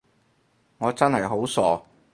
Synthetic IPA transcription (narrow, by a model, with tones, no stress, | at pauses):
ŋɔː˨˧t͡sɐ˥nhɐ˨jɦo˨˥wsɔː˨˩